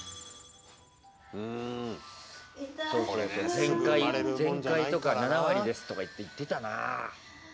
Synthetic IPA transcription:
ɯ̃ | so̞ːssozẽŋkaizẽ̞ŋkait̪o̞kananaβaɾʲid̪e̞sɨ̥t̪o̞kait̪ːeit̪ːe̞t̪ana̰

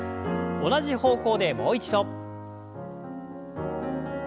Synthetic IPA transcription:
onaʑiho̞ːko̞ːd̪e̞mo̞ːit͡ɕid̪o̞

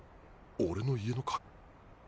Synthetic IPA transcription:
oɾe̞no̞ieno̞kʰḁ

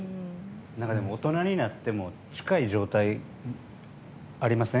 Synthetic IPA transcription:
nakad̪e̞mo̞ːt̪o̞naɲ̟inat̪ːe̞mo̞ | t͡ɕi̥kaiʑo̞ːt̪ai | aɾʲimasẽ

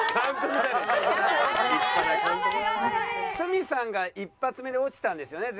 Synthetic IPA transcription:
nãnt̪omiaa | aã | sɨmʲisãŋɡaipːat͡sɨme̞d̪e̞o̞t͡ɕi̥t̪ãnd̪e̞sɨjo̞ne̞

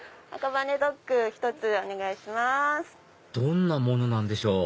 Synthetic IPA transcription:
a̰kaβane̞d̪o̞kːɯ̟çi̥t̪o̞t͡sɨo̞ne̞ɡaiɕimasɨ̥ | d̪̥õ̞nːamo̞no̞nãnd̪e̞ɕo̞ː

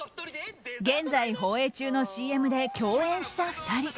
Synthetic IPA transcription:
ɡẽ̞nd͡zaiɦo̞ːe̞ːt͡ɕɨːno̞ɕiːe̞mɯ̟d̪e̞kʲo̞ːẽ̞ɰ̃ɕi̥t̪aɸɯ̟̥t̪aɾʲi

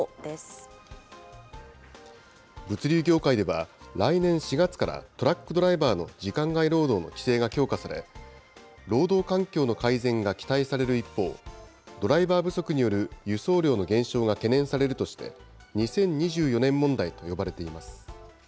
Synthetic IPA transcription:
d̪es | bɯ̟t͡sɨɾʲɨːɡʲo̞ːkaid̪e̞βa̰ɾainẽ̞ɰ̃ɕiɡat͡sɨ̥kaɾa̰t̪o̞ɾakːɯ̟d̪o̞ɾaibaːno̞̰d͡ʑikãŋɡaiɾo̞ːd̪o̞ːno̞̰kʲi̥se̞ːɡakʲo̞ːkasaɾe̞̰ | ɾo̞ːd̪o̞ːkãŋkʲo̞ːno̞kaizẽ̞ŋɡakʲi̥t̪aisaɾe̞ɾɯ̟ipːo̞ːd̪o̞ɾaibaːbɯ̟so̞kɯ̟ɲ̟ijo̞ɾɯ̟jɯ̟so̞ːɾʲo̞ːno̞ɡẽ̞ɰ̃ɕo̞ːɡake̞nẽ̞ɰ̃saɾe̞ɾɯ̟t̪o̞ɕi̥t̪e̞̰ɲ̟isẽ̞ɲ̟ɲːiʑɨːjo̞nẽ̞mːõ̞nd̪ait̪o̞jo̞baɾe̞t̪e̞imasɨ̥

